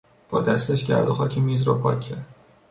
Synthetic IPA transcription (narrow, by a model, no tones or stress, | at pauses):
b̥ɒ̰ːd̪æst̪eʃɟæ̰ɾd̪oxɒːcʰemiːzɾɒ̰pʰɒːcʲʰːæɾd̪̥